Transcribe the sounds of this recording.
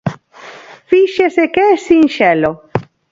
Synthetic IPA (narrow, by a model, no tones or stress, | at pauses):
fiʃesekɛsinʃɛlo